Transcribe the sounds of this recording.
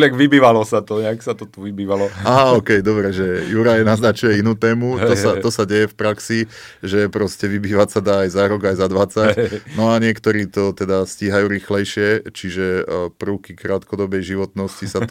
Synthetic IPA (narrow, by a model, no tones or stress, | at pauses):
ɲaɡʋibiːʋalɔsat̪ɔɲɛaksat̪ɔt̪uʋibiːʋalɔaːɦaɔkɛjd̪ɔbɾɛʒɛjuɾajɛnaznat͡ʃujɛinuːt̪ɛːmut̪ɔsaɔsaɟɛjɛfpɾaksi | ʒɛpɾɔscɛʋibiːʋacsad̪aːjzaɾɔɡajzad̪ʋat͡sacnɔaɲɪɛkt̪ɔɾiːt̪ɔt̪ɛd̪asciːɦajuːɾiːxlɛjʃɪɛt͡ʃiʒɛpɾʊkikɾaːt̪kɔd̪ɔbɛjʒiʋɔt̪nɔscisat̪